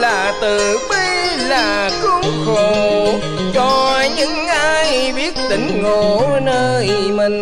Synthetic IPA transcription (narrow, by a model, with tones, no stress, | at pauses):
laː˨˩t̪ɨ˨˩ɓə˧laː˨˩ | kʊ˧˦ŋ͡mxo˨˩ | t͡ɕɔ˧˩ɲɨ˧˥ŋʔaː˧jɓi˦˥ət̚t̪ï˧˩ŋ̟ŋo˨˩nəː˧j | mï˨˩ŋ̟